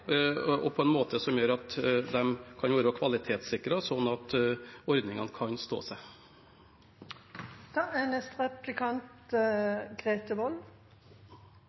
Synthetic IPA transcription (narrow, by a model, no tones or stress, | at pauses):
ɔpʰɔɛnmoːt̪ʰəsɔmjøːɾɑt̪d̪ɛmkʰɑnʋoːɾəɑkʰʋɑlɪt̪ʰeːt̪sɪkːɾəsɔnːɑt̪ɔɾd̪nɪŋɑnkʰɑnst̪o̰ːsæɪ | d̪̥ɑænɛst̪ʁɛplɪkʰɑnt̪ | ɡ̥ʁeːt̪əʋɔl